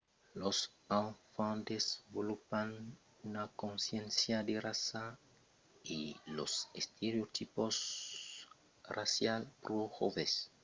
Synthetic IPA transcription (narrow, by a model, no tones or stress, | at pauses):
losanfãnd̪esbolupan | unakõnsjẽnsjad̪erasa | ilo̰sest̪ʰeɾeot̪ʰipos | rasjalpɾoxo̰ves